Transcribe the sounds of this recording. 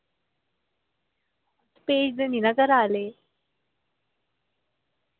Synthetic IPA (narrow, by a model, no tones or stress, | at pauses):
ɐspeːd͡ʒd̪eninɐɡɐɾaːleː